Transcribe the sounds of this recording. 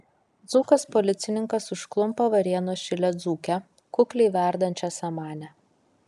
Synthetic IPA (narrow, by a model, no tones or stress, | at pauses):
d̪zuːkɐspɔlʲɪt̪sʲɪnʲɪŋkɐsʊʃklˠʊmpɐʋɐɾʲiɛnoːʃʲɪlʲɛd̪zuːkʲɛ | kʊklʲɛɪʋʲæˑɾd̪ɐnʲt͡ʃʲɛsɐmɑːnʲɛ